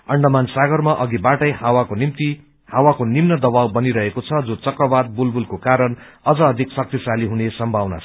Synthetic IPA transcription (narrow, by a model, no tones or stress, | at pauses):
ʌɳɖʌmansaɡʌrmaʔʌɡibaʈʌjhawakonimt̪i | hawakonimnʌd̪ʌbawbʌniɾʌɦekot͡sʰʌd͡zot͡sʌkrʌbad̪̚bulbulkokaɾʌn | ʌd͡zʌːd̪ʱiksʌk̚t̪isaliɦunesʌmbʱawna̰